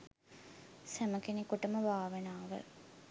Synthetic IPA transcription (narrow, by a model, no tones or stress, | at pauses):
sæməkenikuʈəməʋaːʋenaːʋə̰